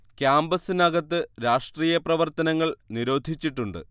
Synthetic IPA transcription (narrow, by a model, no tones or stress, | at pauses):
kjaːmbɐsinɐɡɐt̪ːɨɾaːʂʈriːjɐprɐʋɐrt̪ɐnɐŋːɐɭniɾo̞ːd̪ʱit͡ɕːiʈːuɳɖɨ̰